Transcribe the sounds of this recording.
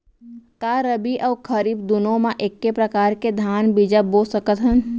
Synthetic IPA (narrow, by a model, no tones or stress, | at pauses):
kaːɾəbiʔəːkʰəɾiːbd̪ʊnõmãʔekːepɾəkaːɾked̪ʱjaːnbid͡ʒabosəkət̪ɦən